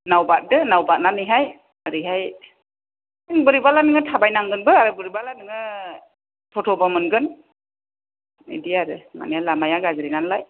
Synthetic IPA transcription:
nawbat̚dɯnawbat̚nanɯɦaj | aɾɯɦaj | ŋbɯɾibalanɯŋɯtʰabajnaŋɡɯnbɯaɾɯbɯɾibalanɯŋɯ | tʰɔtʰɔbamɯnɡɯn | ḭdiaɾɯma̰nialamajaɡazɾinanlaj

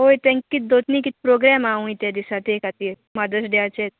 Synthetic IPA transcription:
oːjt̪ɛ̃ŋkːid̪oːt̪nikit̪pɾoːɡɾɛːmaːũit̪ed̪isat̪eːkat̪i | mad̪əsɖeaːt͡ʃɛ

